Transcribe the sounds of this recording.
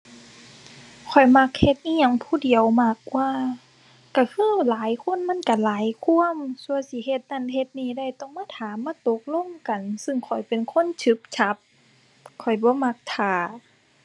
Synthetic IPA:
kʰɔ˨˩jma˧˦k̚he˧t̪̚niː˧˨ɲa˧˩ŋpʰuː˧˩˨di˨əwma˧˩k̚waː˧ | ka˧˩kʰɯː˧˥˨laː˨˦jkʰo˧˥˨nma˧˥˨nka˧˩˦laː˨˦jkʰu˧˥˨əmsu˧ə˨jsi˧˦ɦe˧t̪̚na˧˨nɦe˧t̪̚niː˧˨da˧˩˨jt̪ɔ˧˨ŋmaː˧˥˩t̪ʰaː˨˦mːaː˧˥˨t̪o˧˦k̚lo˧˥˨ŋka˨nsɯ˧˨ŋkʰɔ˨˩jpe˨nkʰo˧˥˨nt͡ɕʰɯ˧˦p̚t͡ɕʰa˧˦p̚ | kʰɔ˨˩jbɔː˧˦ma˧˥k̚t̪ʰaː˨˩

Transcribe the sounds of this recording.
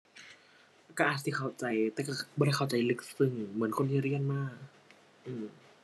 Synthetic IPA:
kaː˥˩ʔaː˨˩t̪̚siː˧˩kʰa˧˨˩wt͡ɕa˧˩jt̪ɛː˧˩kaː˥˩bɔ˧ɾa˧˩jkʰa˨˩wt͡ɕa˧˩jlɯ˧˥k̚sɯ˧˩ŋmɯ˩˦nkʰo˧nt̪ʰiː˧˩˧ɾi˧˩ənmaː˥˩k̚ | ʔɯː˧˩m

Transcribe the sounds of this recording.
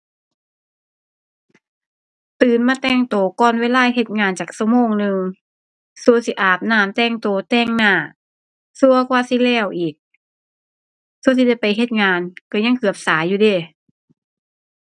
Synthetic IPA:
t̪ɯː˨˩nmaː˧t̪ɛː˧˩ŋt̪oː˨˩kɔː˧˨nweː˧˨laː˧˥˨ɦe˧t̪̚ŋaː˧nt͡ɕaː˨˩k̚sa˧moː˧˥˨ŋnɯ˧ŋ | su˧əsi˧ʔaː˨˩p̚naː˧˩mt̪ɛː˧˩ŋt̪oː˨˩t̪ɛː˧˩ŋnaː˧˩˨ | su˧ɐkʰwaː˧˨si˧˦lɛː˧˩˨wʔiː˨˩k̚ | su˧ns̬i˧dɛ˧˩jpa˨jɦe˧t̪̚ŋaː˧nka˧˩ɲa˧˥˨ŋkʰɯ˨˩əp̚saː˨˦jːuː˧deː˧˩˨

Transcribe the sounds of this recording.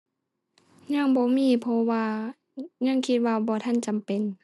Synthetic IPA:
ɲa˧˥˨ŋbɔː˧˦miː˧˥˨pʰɔ˧waː˧ | ɲa˧˥˨ŋkʰi˧t̪̚waː˧bɔː˧t̪ʰa˧˥˨nt͡ɕa˨mpe˨n

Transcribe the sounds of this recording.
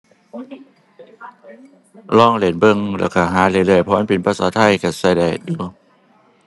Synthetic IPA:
lɔː˧˥˩ŋle˨˩˦nbɤ˧˩˨ŋlɛ̰˧˩wka˧˩ɦaː˨˦lɯː˧˦lɯː˧˩ə˨jpʰɔː˧˥˦npi˨˦npʰa˧˨saː˨˦t̪ʰa˧˩jka˧˩sa˧˩jda̰˧˩du˧˦

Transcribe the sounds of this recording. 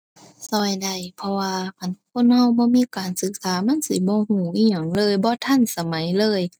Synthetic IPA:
sɔː˧˩jda˧˩jpʰɔ˧waː˧kʰa˧˦˨nkʰo˧˥˨nha˧˨wbɔː˧˦miː˧˥˨kaː˨˩nsɯ˧˦k̚saː˨˦ma˧˥˨nsi˧˦bɔː˧˦huː˧˩ʔiː˧˨ɲa˨˩˦ŋlɤː˧˨jbɔː˧˦t̪ʰa˧˥˨nsa˧ma˨˩˦jlɤː˧˥˨j

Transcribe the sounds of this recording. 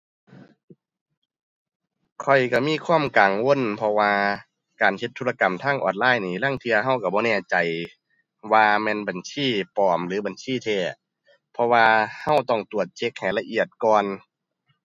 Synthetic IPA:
kʰɔ˨˩jka˧˩miː˧˥˨kʰwaː˧˥˨mkaː˨˩ŋwo˧˥˨npʰɔ˧waː˧ | kaː˨˩nhʰe˧t̪ʰːuː˧la˧ka˨˩mt̪ʰaː˧˥˨ŋʔɔ̰ː˨˩nlaː˧˥˩jniː˧˩la˧˥˨ŋt̪ʰi˧ɐhɦa˧˩wka˧˩bɔː˧nɛː˧˩t͡ɕa˨˩j | waː˧mɛː˧˥˨nba˨˩nsiː˧˥˩pɔː˨˩mlɯː˨˦ba˨nsiː˧˥˨t̪ʰeː˧˩ | pʰɔ˧waː˧ha˧˥˩wt̪ɔ˧˥˩ŋt̪u˨˩ət̪̚t͡ɕʰe˧˥k̚ha˨˩jla˧ʔi˧˩ət̪̚kɔː˧n

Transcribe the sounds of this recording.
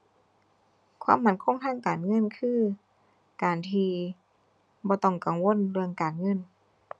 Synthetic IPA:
kʰwa̰ː˧˥˨mːa˧˩nkʰo˧˥˨ŋt̪ʰaː˧˥˨ŋkaː˨˩nŋɤ˧˥˨nkʰɯː˧˥˨ | kaː˨˩nt̪ʰiː˧ | bɔː˧t̪ɔ˧˩ŋka˨˩ŋwo˧˥˨nlɯ˧əŋkaː˨˩nŋɤ˧˥˨n

